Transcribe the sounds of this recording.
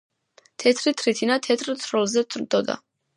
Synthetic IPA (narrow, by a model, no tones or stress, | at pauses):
t̪ʰɛt̪ʰɾit̪ʰɾit̪ʰinat̪ʰɛt̪ʰɾt̪sʰɾɔlˠzɛsʰɾd̪ɔd̪a̰